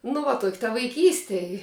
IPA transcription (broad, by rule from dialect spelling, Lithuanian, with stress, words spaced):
nʊ ˈʋɐ toːkʲ tɐ ʋɐɪˈkʲiːsʲtʲɛ ɪ